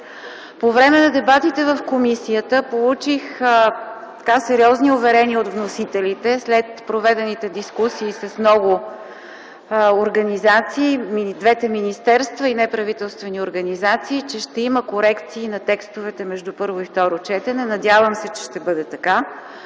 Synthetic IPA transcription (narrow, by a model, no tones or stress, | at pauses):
povɾɛmɛnɐd̪ɛbat̪it̪ɛvəfkomisiət̪əpolˠut͡ʃix | tt̪ɐ̥kasɛɾiɔzniovɛɾɛniəot̪vnosit̪ɛlit̪ɛslɛt̪pɾovɛd̪ɛnit̪ɛd̪iskusiːsɐsmnɔɡʊ | oɾɡɐnizat̪siːmd̪vɛt̪ɛminist̪ɛɾst̪vəinɛpɾɐvit̪ɛlˠst̪vɛnioɾɡɐnizat̪siːt͡ʃɛʃt̪ɛiməkoɾɛkt̪siːnɐt̪ɛkst̪ovɛt̪ɛmɛʒd̪upɤɾvoift̪ɔɾot͡ʃɛt̪ɛnɛnɐd̪ʲjavəmsɛt͡ʃɛ̥ʃt̪ɛbɤd̪ɛt̪ɐka